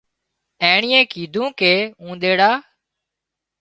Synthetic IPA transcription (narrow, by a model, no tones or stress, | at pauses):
ẽːɳɪːẽːkiːd̪ʱũːkeːũːd̪eːɽaː